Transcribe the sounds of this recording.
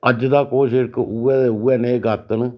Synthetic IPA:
əd͡ʒd̪aːkoːʃɪɾkuɛːd̪euːɛːneːɡət̪ən

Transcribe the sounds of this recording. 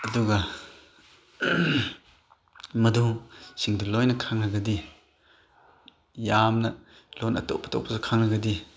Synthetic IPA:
ɐduɡɐ | mɐd̪usiŋdulɔjnɐkʰaŋnɐɡɐdi | jamnɐ | lɔnɐ̰tɔ̰ʔpʰɐ̥tɔ̰k̚pʰɐzɔkʰaŋnɐɡɐdi

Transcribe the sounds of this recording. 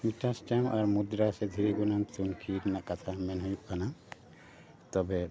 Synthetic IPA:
miʈasʈamɔɾmud̪ɾasɛd̪ʱiɾiɡunant̪unkʰiɾnaʔkat̪ʰamɛnɦujuʔkana | t̪ɔbɛ

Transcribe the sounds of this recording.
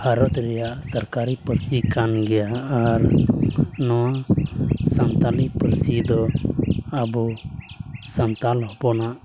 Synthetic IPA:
haɾɔt̪ɾɛjaʔsəɾkaɾipəɾsikanɡɛjaːɾ | nɔwa | sant̪alipəɾsid̪ɔ | abu | sant̪alɔɦbɔnaʔ

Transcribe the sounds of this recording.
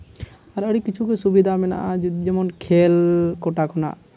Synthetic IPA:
aɾəɽikːit͡ʃʰukɛsubid̪ʱamɛna̰ʔad͡ʒɛmɔnkʰɛlkɔʈakʰɔna̰ʔ

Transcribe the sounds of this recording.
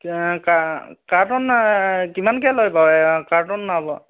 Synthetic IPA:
kakaɹtɔnkimankɛlojpawɛkatɔnːabɔ

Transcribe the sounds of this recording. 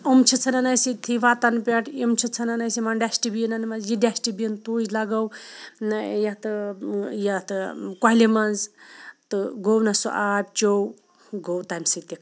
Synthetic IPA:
umt͡ʃʰit͡sʰɐnɐnɐjsit̪ʰiʋat̪ɐnpʲeʈʰimt͡ʃʰit͡sʰɐnɐnɐsimɐnɖʲasʈibiinɐnmɐzjiɖʲasʈibiint̪uːjlaɡɐw | jɐt̪ɨjɐt̪ɨkaɦlimɐnzt̪ɨɡownɐsṵʔaːb̚ʲt͡ʃow | ɡowt̪amsit̪ikʰ

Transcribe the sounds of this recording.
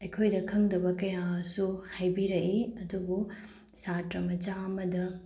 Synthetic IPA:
ɐjkʰojdɐkʰɐŋdɐbɐkɐjasuhajbiɾɐʔiɐdubu | satɾɐmɐt͡ʃaɐmɐdɐ

